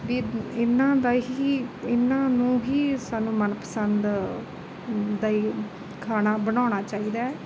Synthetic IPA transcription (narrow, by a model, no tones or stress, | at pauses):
ʋiːɪnːãːd̪aːɦiiːɪnːãːnũːɦiːsaːnũːmənpə̥sənd̪ | d̪aːiː | kʰaːnaːbənaːñaːt͡ʃaːiːd̪aːɛː